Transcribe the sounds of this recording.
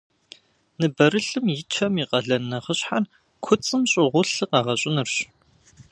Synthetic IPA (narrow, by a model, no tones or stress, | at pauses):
nɨbɐɾɨɬɨmjɪt͡ʃʰɐmiːqɐɮɐnːɐχəɕħar | kʷʰʊt͡sʼɨmɕʼɪʁʷʊɬɨqɑʁɐɕʼɪnɨrɕ